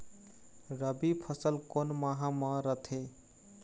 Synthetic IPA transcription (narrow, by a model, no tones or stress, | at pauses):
ɾəbipʰəsəlkonmaɦãməɾət̪ʰe